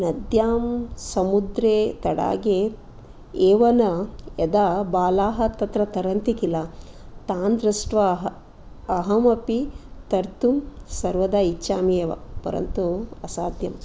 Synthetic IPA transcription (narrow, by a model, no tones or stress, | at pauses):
nɐd̪jaːmsɐmud̪ɾeːt̪ɐɽa̰ːɡe | eːʋɐnɐɐd̪abaːlaːɦɐt̪ɐt̪ɾɐt̪ɐɾɐnt̪ikilɐ | t̪aːnd̪ɾɐsʈʋɐɦː | ɦɐmɐpit̪ɐɾt̪umsɐɾʋɐd̪ɐit͡ʃʃaːmieːʋɐ̰pɐ̰ɾɐ̰nt̪uɐsaːd̪ʱjɐm